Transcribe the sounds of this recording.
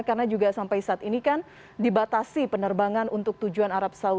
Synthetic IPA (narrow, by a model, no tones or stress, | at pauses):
karənad͡ʒuɡasampajsaːt̪inikan | dibat̪asipənərbaŋanunt̪ʊk̚t̪ud͡ʒuanaɾap̚sau